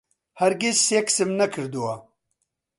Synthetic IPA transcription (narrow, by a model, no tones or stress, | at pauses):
hɐɾɡisːeksɨmnɐkʰɨɾd̪uwa